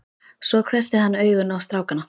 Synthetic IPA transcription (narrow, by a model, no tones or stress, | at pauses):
svɔɣkʰvɛst̪ɪhanːœːɥɣʏnawst̪ɾaːwkanːa